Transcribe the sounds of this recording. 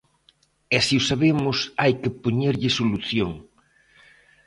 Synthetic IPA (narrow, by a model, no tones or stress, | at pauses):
ɛsiʊsaβemʊsajkɪpoɲeɾʎɪsoluθjoŋ